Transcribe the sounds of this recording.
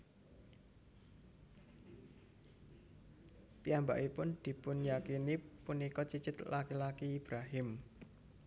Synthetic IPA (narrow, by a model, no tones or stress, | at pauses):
piamba̰ʔipʊnd̪̥i̤pʊnjakinipunikɔt͡ʃit͡ʃɪt̪lakilakiːb̥ɾaɦɪm